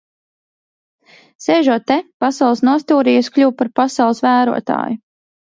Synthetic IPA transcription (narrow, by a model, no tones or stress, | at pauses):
sɛːʒuɔtt̪ːɛpasawlˠsnuɔst̪uːɾijasklʲuwpaɾpasawlˠsvæːɾṵɔt̪a̰ːju